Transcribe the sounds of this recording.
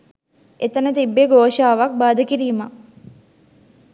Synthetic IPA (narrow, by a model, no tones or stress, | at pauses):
et̪ənət̪ibːeɡoːʃaːʋak̚baːd̪əkiɾiːma